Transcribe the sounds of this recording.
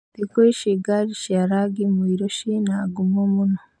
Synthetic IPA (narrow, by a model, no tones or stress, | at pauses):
dikoiʃiɡaɾiʃaɾaɡimuiɾoʃinaːɡumomuno